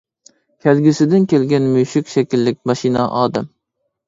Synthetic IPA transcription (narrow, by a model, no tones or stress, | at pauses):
kʲʰælɡʲɪsɪd̪ɪnkʲelɡʲɛnmyjʃɪkʲʃɛkʲilːɪk̚ʲmɑʃinɑʔɑːd̪ɪm